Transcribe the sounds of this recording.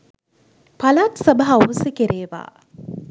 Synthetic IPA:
pɐlaːt̪sɐbɐɦɐuːsekeɾʔeːʋa̰ː

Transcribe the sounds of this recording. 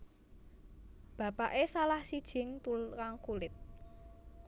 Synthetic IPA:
b̥ä̤paʔesalahsid̥ʒ̥ɪ̤ŋt̪ulkaŋkulɪt̪̚

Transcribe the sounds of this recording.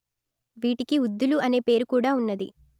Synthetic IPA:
ʋiːʈikiud̪ːuluɐne̞ːpe̞ːɾukuːɽaːunːɐd̪ḭ

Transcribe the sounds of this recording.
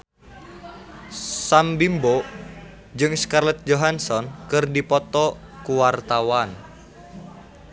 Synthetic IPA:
sambimbo | d͡ʒɨŋskarlɛt̪̚d͡ʒoɦansɔnkɨrdipɔt̪ɔ | kuwart̪awan

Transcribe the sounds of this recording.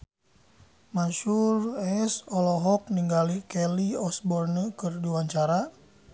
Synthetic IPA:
maʃurɛsɔlɔɦɔk̚niŋɡalikɛliɔsbɔrnəkərdiwaɲt͡ʃaɾa

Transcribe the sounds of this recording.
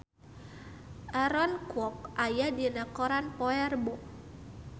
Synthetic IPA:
aɾɔnkwɔk̚ajadinakɔɾanpɔɛrbɔ

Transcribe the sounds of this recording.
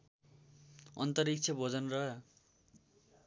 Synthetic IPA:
ʌnt̪ʌɾik̚t͡sʰʌbʱʌd͡zʌnrʌ

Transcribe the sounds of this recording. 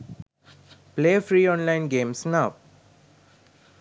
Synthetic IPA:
pleːəfɾiːɔ̃ːnlãɪ̃nɡẽːmsnaʋ

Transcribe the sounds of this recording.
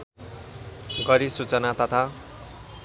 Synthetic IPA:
ɡʌɾisut͡sʌnat̪ʌt̪ʰa

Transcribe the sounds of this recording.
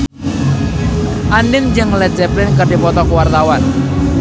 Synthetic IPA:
ʔanɪŋd͡ʒəŋlɛd͡ʒɛplɪnkərd̥ipɔt̪ɔkuwart̪awan

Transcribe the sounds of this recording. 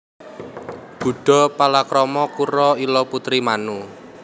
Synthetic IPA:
b̥ṳɖ̥ɔ̤palakɾɔmɔkuɾɔilɔput̪ɾimanu

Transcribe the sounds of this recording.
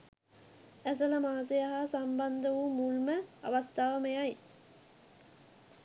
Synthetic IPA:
æs̬ələmaːsejaɦaːsamband̪əʋumulməa̰ʋast̪aːʋəmejaj

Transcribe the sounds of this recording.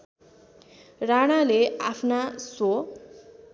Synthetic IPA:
raɽ̃aleapʰnaso

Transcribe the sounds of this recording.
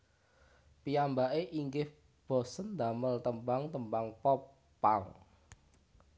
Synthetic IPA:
piambaʔeʔiŋɡɪh | b̥ɔ̤sənd̪a̤məlt̪əmbaŋt̪əmbaŋpɔ | paŋ

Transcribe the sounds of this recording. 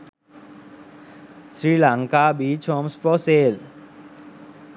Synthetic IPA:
sɾilaŋkabit͡ʃʰɔmspɾɔseːl

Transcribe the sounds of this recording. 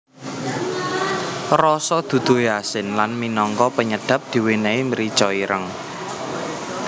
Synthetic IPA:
rɔsɔd̪̥ṳd̪̥o̤jasɪnlanminɔŋkɔpəɲəɖ̥ä̤p̚d̪̥i̤weneiməɾit͡ʃɔiɾʔəŋ

